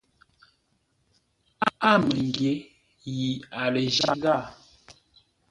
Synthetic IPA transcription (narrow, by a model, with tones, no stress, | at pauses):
a˦a˦˨mə˨ŋɡje˨˦ | ji˨a˨lə˨ʒa˦ɡa˦˨